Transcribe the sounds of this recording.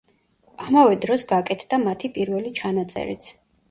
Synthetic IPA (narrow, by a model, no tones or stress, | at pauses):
amavɛd̪ɾɔsɡakʼɛt̪ʰd̪̥amat̪ʰipʼiɾvɛlit͡ʃʰanat̪sʼɛ̰ɾḭt̪sʰ